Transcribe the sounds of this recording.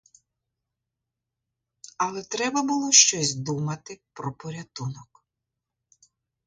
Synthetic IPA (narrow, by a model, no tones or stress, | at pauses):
ɐlˠɛt̪ɾɛbɐbʊlˠɔʃt͡ʃɔsʲd̪umɐt̪ɪpɾɔpɔɾʲɐt̪unɔk